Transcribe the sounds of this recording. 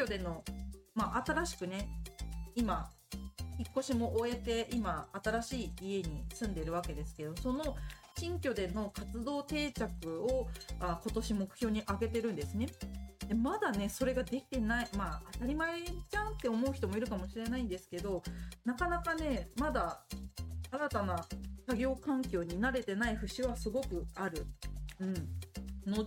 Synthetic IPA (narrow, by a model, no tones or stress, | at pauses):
kʲo̞d̪e̞no̞maʔat̪aɾaɕi̥kɯ̟ne̞ | ima | çikːo̞ɕimo̞ʔo̞e̞t̪e̞ʔimaːt̪aɾaɕiːie̞ɲ̟isɨ̃nd̪e̞iɾɯ̟βake̞d̪e̞sɨ̥ke̞d̪o̞so̞no̞ | ɕĩŋkʲo̞d̪e̞no̞kat͡sɨd̪o̞ːt̪e̞ːt͡ɕakɯ̟oako̞t̪o̞ɕimo̞kɯ̟̥çʲjo̞ːɲ̟iʔaɡe̞t̪e̞ɾɯ̟̃nd̪e̞sɨne̞d̪e̞mad̪ane̞so̞ɾe̞ɡad̪e̞kʲi̥t̪e̞naimaːt̪aɾʲimaet͡ɕãnt̪ːe̞o̞mo̞ɯ̟çi̥t̪o̞mo̞iɾɯ̟kamo̞ɕiɾe̞naĩnd̪e̞sɨ̥ke̞d̪o̞nakanakane̞mad̪a | aɾat̪anasaɡʲo̞ːkãŋkʲo̞ːɲ̟inaɾe̞t̪e̞naiɸɯ̟ɕiβasɨɡo̞kɯ̟aɾɯ̟ɯ̟̃ɴno̞